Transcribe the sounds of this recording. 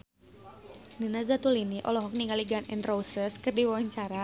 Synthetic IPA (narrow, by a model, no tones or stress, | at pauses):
ninazat̪uliniʔɔ̰lɔɦɔk̚niŋaliɡanɛnrowsəskərdiwawaɲt͡ʃaɾa